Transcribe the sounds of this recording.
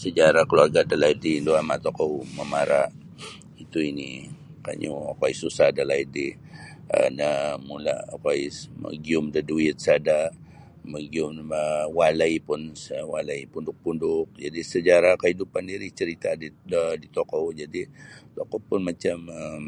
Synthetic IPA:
səd͡ʒaɾakəluarɡaʔdalaidinduamat̪ɔkɔməmaɾaʔ | it̪uini | ka̰ɲṵakoaisusahdəlaidi | ə̰nəmula̰kaimə̰ɡiʊmdəduɪt̪̚sada | məɡiʊməwaləjpʊnsəwaləipundʊk̚pundʊk̚d͡ʒadisəd͡ʒaɾakəhidupandiɾɪt͡ʃəɾit̪adiədit̪ɔkɔwd͡ʒadit̪ɔkɔpʊnmat͡ʃaməm

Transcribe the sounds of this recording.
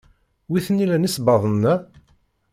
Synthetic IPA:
wiθənilænisbɑðˤənːæ

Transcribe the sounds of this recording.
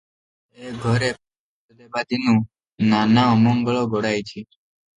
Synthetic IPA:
eɡʱɔɾep | əd̪ebad̪inũ | nanaɔmɔŋɡəɭoɡoɽajt͡ʃʰi

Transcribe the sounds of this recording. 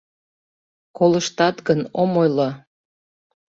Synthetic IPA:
koləʃt̪ɑt̪ɡənomojlɑ

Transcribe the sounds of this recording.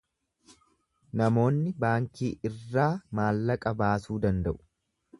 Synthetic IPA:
nɐmo̞ːnːɪbaːŋkiːʔɪrːaːmaːlːɐkʼɐbaːsuːd̪ɐnd̪ɐʔʊ̥

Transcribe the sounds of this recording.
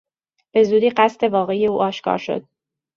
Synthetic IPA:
b̥e̞zuːd̪iːɢæst̪e̞vɒːɣeijeuːʔɒːʃkʰɒ̰ːɾʃo̞̰d̪̥̚

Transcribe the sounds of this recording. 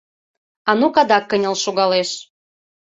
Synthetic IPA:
ɑnukɑd̪ɑkːə̆nʲə̆lʃuɣɑleʃ

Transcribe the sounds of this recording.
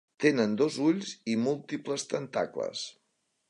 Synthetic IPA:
t̪enənd̪ozuʎzimulˠt̪ipləst̪ənt̪a̰klə̰s

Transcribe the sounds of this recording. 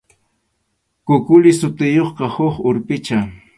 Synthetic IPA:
kʊkʊlɪsʊt̪ɪjoχqɑhoχʊɾpɪt͡ʃa

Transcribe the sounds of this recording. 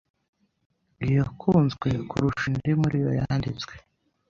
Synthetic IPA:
ɡijokʰuːnzɡwe̞kṵɾuʃindimuɾijo̰jaːndit͡swe̥

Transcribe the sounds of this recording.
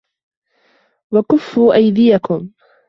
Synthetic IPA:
wakʊfːuːʔajd̪ɪjakʊm

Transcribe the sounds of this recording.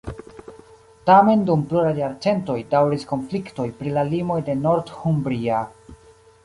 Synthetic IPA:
tame̞ndumpluɾajːaɾt͡se̞nto̞jdawɾisko̞nflikto̞jpɾilalimo̞jde̞no̞ɾdhumbɾia

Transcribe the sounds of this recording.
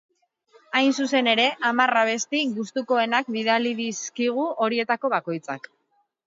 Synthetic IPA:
ajnsuse̞ne̞ɾe̞ʔamaraβe̞st̪iɣust̪uko̞e̞nakbiðaliðiskiɣ̞uo̞ɾie̞t̪ako̞βako̞jt͡sa̰k

